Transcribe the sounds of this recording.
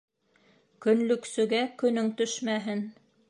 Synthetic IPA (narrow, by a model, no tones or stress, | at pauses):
kɵ̆nlɵ̆ksɵ̆ɡækɵ̆nɵŋt̪ɵʃmæɦɘn